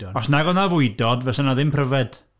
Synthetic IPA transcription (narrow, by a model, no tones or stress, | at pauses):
ɔsnaɡɔnavʊɨdɔdvɛsanaðɪmpʰrəvɛd̥